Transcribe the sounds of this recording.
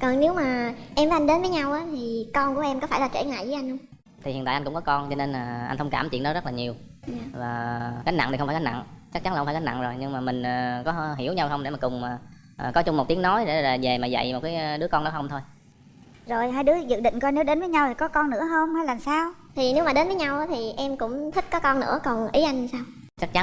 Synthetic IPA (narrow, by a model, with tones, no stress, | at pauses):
kɔ˨˩nne˨˦wmaː˨˩ʔɛ˧mvəː˨˦ʔa˧ŋ̟ɗe˨˦nvəː˨˦jɲa˧wʔaː˨˦t̪ʰi˨˩kɔ˧nku˧˩əʔɛ˧mkɔ˨˦faː˧˩jlaː˨˩t͡ɕwḛ˧˩ŋa̰ː˧˨jvə˨˦ʔa˧j̟hə˧wŋ͡m | t̪ʰi˨˩ḭ˨nt̪aː˧˨ʔnkʊ̰˧˥ŋ͡mkɔ˨˦kɔ˧nt͡ɕɔ˧ne˧naː˨˩ʔa̰˧jnhʰə˧ŋ͡mkaː˧˩mt͡ɕḭ˧˨nɗɔ˨˦zə˦˥t̚laː˨ɲi˨˩əw | vaː˨˩kaː˨˦jna̰˧˨t̪i˨˩xŋ͡mfːkːa˨˦jna̰˧˨ŋt͡ɕa˦˥k̚t͡ɕa˨˦nlfaː˧˩kːaː˨˦jna̰˧˨ŋzo˨˩jɲɨ˧ŋmaː˨˩mï˨˩ŋ̟əː˨˩kɔ˨˦ɦi˧˩əwɲa˧whə˧wŋ͡mɗe˧˩maː˨˩kʊ˨˩ŋ͡maː˨˩ | ʔkɔ˨˦t͡ɕʊ˧ŋ͡mmo˨˩t̚t̪i˨˦ənɔ˨˦jɗe˧˩laː˨˩ve˨˩maː˨˩zə̰˧˨jmo˨˩t̚kaː˨˦jɗɨ˨˦əkɔ˧nɔ˨˦ɦə˧ŋ͡mt̪ʰo˧j | zo˨˩jɦaː˧jɗɨ˨˦əzɨ̰˨˧˨ɗï˧˨ŋ̟kɔ˧ne˨˦wɗe˨˦nvəː˨˦ɲa˧wt̪ʰi˨˩kɔ˨˦kɔ˧nːɨ̰˧˥əɦəː˧wŋ͡maː˨˧˦jlaː˨˩msaː˧wt̪ʰi˨˩ne˨˦wmaː˨˩ɗe˨˦nvəː˨˦jɲa˧wʔaː˨˦t̪ʰi˨˩ʔɛ˧mkʊ̰˧˥ŋ͡mt̪ʰï˦˥t̟̚kɔ˨˦kɔ˧nːɨ̰˧˥əkɔ˨˩nʔi˨˦ʔa˧jŋ˧saː˧w | t͡ɕa˦˥k̚t͡ɕa˨˦